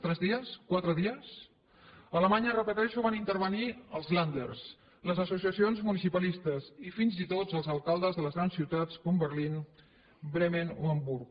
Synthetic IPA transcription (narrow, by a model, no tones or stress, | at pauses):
t̪ɾɛzðiəskwat̪ɾəðiəs | ələmaɲərəpət̪ɛʃuβanint̪əɾβəniəlˠzland̪ə̰rs | ləzəsusiəsionzmunisipəlist̪əzifinzit̪od͡zəlˠzəlˠkalˠd̪əzðələzɣɾansiwt̪at͡skombərlin | bɾemenuəmbuɾk